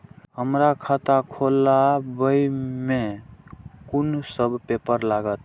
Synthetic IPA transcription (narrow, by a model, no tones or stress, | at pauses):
ɦəmɾakʰat̪akʰolabəjme | kunsəbpepəɾlaɡət̪